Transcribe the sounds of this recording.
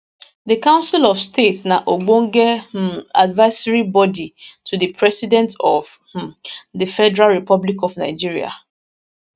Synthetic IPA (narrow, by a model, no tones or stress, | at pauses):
dəkãʊ̃nsilɔvstetsnaʔoɡ͡bõŋɡɛadvaɪsaɹibɔditʰudəpʰɹɛsidɛ̃ntɔv | dəfɛdɛɹalɹipɔblikɔvnaɪd͡ʒiɹia̰